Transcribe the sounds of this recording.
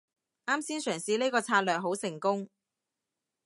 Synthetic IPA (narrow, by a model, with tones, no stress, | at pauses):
ʔaː˥msiː˥nsœː˨˩ŋsiː˨˧le˥kɔː˧t͡sʰaː˧t̚lœː˨k̚ɦo˨˥wsɪ˨˩ŋkʊ˥ŋ